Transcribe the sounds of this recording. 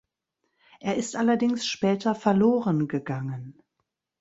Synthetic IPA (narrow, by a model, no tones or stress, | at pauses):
ʔeːɐɪstʔalɐdɪŋsʃpɛːtʰɐfɛɐloːʁənɡəɡaŋən